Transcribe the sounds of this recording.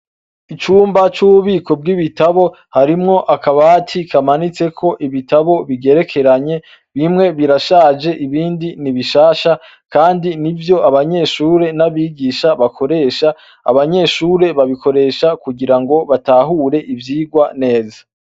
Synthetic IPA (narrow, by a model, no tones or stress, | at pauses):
it͡ʃuːmbat͡ʃuβuβiːkʰo̞b̚ɡiβitaβo̞ | haɾimŋo̞ʔakaβatʰikʰamanit͡se̞kʰo̞ʔiβitaβo̞βiɡe̞ɾe̞kʰe̞ɾaɲe̞ | βimŋe̞βiɾaʃaːd͡ʒe̞ʔiβiːndiniβiʃaːʃa | kaːndinivjo̞aβaɲe̞ʃuːɾe̞naβiːɡiʃaβakʰo̞ɾe̞ʃa̰ː | βaɲe̞ʃuːɾe̞βaβikʰo̞ɾe̞ʃakuɡiɾaŋɡo̞βataɦuːɾe̞ʔivjiːɡwane̞ːzḁ